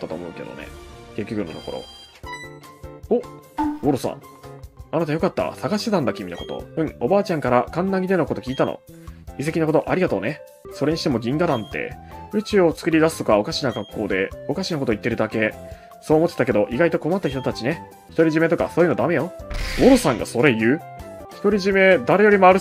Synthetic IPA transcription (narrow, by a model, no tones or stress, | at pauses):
t̪ːat̪o̞̰ːmo̞ɯ̟ke̞d̪o̰nḛke̞kʲːo̞kɯ̟nːo̞t̪o̞ko̞ɾo̞̰ | ooɾosã̰ŋ | anat̪ajo̞kat̪ːa̰saɡaɕi̥t̪e̞t̪ãnd̪akʲimʲinako̞t̪õ̰o̞baːt͡ɕãŋkaɾakãnːaɡʲid̪e̞no̞ko̞t̪okʲiːt̪ano̰is̬e̞kʲinako̞t̪o̞ʔaɾʲiɡat̪o̞ːne̞ | soɾe̞ɲ̟iɕit̪emo̞ɡʲĩŋɡad̪ãnt̪e̞̰ɯ̟t͡ɕɨːo̞t͡sɨ̥kɯ̟ɾʲid̪asɨ̥t̪o̞kao̞kaɕinaɡakːo̞ːd̪e̞̰o̞kaɕinako̞t̪o̞it̪ːeɾɯ̟d̪ake̞ | so̞ːmot̪ːet̪ak̬e̞d̪o̞ʔiɡait̪o̞ko̞mat̪ːaçi̥t̪o̞t̪at͡ɕine̞ | çi̥t̪o̞ɾʲiʑime̞t̪o̞ka̰so̞ːjɯ̟nod̪ame̞joβo̞ɾo̞sãŋɡa̰so̞ɾe̞jɯ̟ːçʲi̥t̪oɾʲiʑime̞d̪aɾe̞jo̞ɾʲimoaɾɯ̟